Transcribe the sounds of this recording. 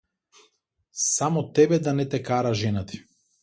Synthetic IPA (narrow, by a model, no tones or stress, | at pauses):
samɔt̪ɛbɛd̪anɛt̪ɛkaɾaʒɛnat̪i̥